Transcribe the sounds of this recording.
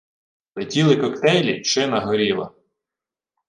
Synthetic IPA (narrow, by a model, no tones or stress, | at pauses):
lɛtʲilˠɪkɔkt̪ɛjlʲiʃɪnɐɦɔɾʲilˠɐ̰